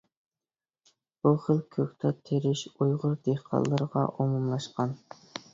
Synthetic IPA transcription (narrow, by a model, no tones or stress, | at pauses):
b̥uχəlkʲʰøkʲt̪ʰɑt̪ʰeɾɪʃujʁʊɾd̪ehqʰɑ̰lˠːəɾəʁɑ̰ʔomumlˠɑʃqɑn